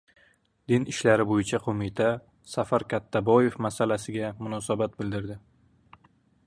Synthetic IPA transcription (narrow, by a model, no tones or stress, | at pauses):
d̪̥ɪnɪʃlaɾɪbojɪt͡ʃʰaqʰomɪt̪ʰa | safaɾkʲʰat̪ʰːabɒje̞fmasalasɪɡʲamʊnɒsabat̪̚bɪld̪ɪɾd̪ɪ